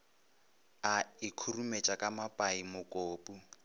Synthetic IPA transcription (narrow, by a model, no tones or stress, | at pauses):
aikʰurumet͡ʃʼakʼamapʼaimʊkʼoːpʼu